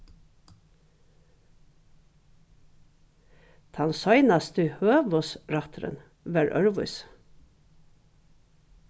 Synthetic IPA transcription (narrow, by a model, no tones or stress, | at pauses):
t̪ʰɑnsɑɪnɑst̪ʰəhøːʋɔsɾɑt̪ʰɾə̰n | ʋæːɹʔœɹʋʊ̰ʏs